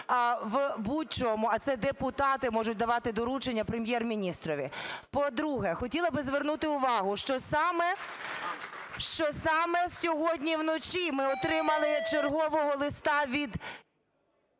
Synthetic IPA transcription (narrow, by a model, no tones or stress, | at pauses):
ʋbut̚ʲt͡ʃɔɔmʊɐt̪sɛd̪epʊt̪ɑt̪ɪmɔʒʊt̚ʲd̪ɐʋɑt̪ɪd̪ɔɾut͡ʃenʲːɐpɾemʲjɛrmʲinʲist̪ɾɔʋʲipɔd̪ɾuɦɛxɔtʲilˠɐbɪzʋernut̪ɪʊʋɑɦʊʃt͡ʃɔsɑmɛ | ʃt͡ʃɔsɑmɛsʲɔɦɔdʲnʲiwnɔt͡ʃʲimɪɔt̪ɾɪmɐlˠɪt͡ʃerɦɔʋɔɦɔlˠɪst̪ɑʋʲid̪